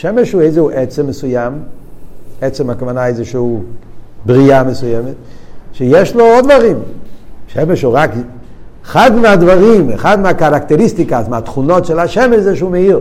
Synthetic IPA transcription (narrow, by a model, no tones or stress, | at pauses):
ʃɛmɛʃuejzehuʔɛt͡sɛmːəsujam | ɛt͡sɛmakavanaejzɛʃɛhu | bʁiamesujɛmetʃɛjɛʃloɔdvaʁimʃɛmeʃuʁak | eχad̪mead̪vaʁimḛχad̪meakaɾakt̪eɾistikasmeat̪χunotʃɛlaʃɛmɛʃzɛʃumɛiʁ